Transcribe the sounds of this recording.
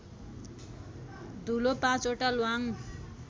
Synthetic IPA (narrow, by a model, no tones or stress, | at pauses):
d̪ʱulopãt͡soʈalwaŋ